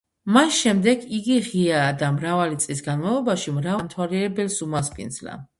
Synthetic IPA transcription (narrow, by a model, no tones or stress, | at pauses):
masʃɛmd̪ɛɡiɡiʁiad̪amɾavalit̪sʼlisɡanmalˠɔbaʃimɾavamt̪ʰwaliɛɾɛbɛlsumaspʼḭnd̪zla̰